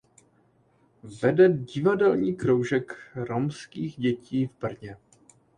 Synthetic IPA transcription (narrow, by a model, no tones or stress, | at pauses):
vɛdɛɟɪvadɛlɲiːkɾowʒɛkɾomskiːɣɟɛciːvbr̩ɲɛ